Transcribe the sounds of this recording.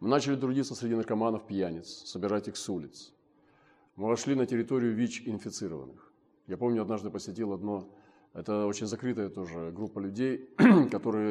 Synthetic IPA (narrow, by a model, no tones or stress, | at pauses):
mɨnat͡ɕɪlʲɪt̪ɾʊdʲit̪sːəsʲɾʲɪdʲinərkɐmanəfpʲjænʲɪt̪ssəbʲɪɾatʲixsulʲɪt̪s | mɨvɐʂlʲinətʲɪɾʲɪt̪o̞ɾʲɪjʊvʲit͡ɕɪnfʲɪt̪sɨɾəvə̰nːɨx | japo̞mnʲʊɐd̪naʐd̪ɨpəsʲɪtʲilˠɐd̪no̞ | ɛt̪əo̞t͡ɕɪnʲzɐkɾɨt̪əjət̪o̞ʐɨɡɾupːəlʲʉdʲejkɐt̪o̞ɾɨjə